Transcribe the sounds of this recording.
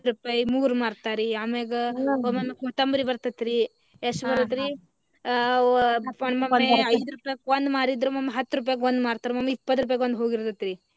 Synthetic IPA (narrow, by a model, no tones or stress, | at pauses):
ɾupaːjmuːɾumaːɾt̪aːɾiameɡɐomɐmːekoːt̪ɐmbɐɾibɐɾt̪ɐt̪ːɾi | esbɐɾt̪ɐt̪ɾi | ɐmɐmːeɐjd̪ɾupajkond̪maːɾid̪ɾumɐmːeɦɐt̪ːɾuːp̬aːjkond̪maːɾt̪aːɾumɐmːeipːɐt̪ːɾup̬aːjkond̪ɦoːɡiɾd̪ɐt̪ːɾi